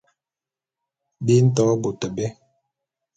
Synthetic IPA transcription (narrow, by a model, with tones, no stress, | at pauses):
bi˦n̩˦tɔ˨˦bo˨tə˨bɛ˦